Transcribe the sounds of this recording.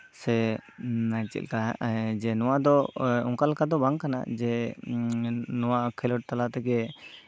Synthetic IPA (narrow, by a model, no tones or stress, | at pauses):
sɛ | najt͡ʃḭt̪lkad͡ʒɛnɔwad̪ɔɔ̰ŋkalkad̪ɔbaŋkana̰d͡ʒɛ | nɔwaʔkʰɛlɔʈ̚t̪alat̪ɛkɛ